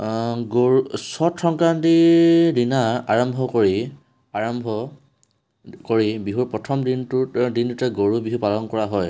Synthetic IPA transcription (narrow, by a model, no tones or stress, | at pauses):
ɡousɔtʰɹɔŋkɹantidinaaɹɔmbʱɔkoɹi | aɹɔmbʱɔ | koɹibiɦuɹpɹɔtʰɔmdintudintutɛɡoɹubiɦupalɔnkɔɹaɦɔj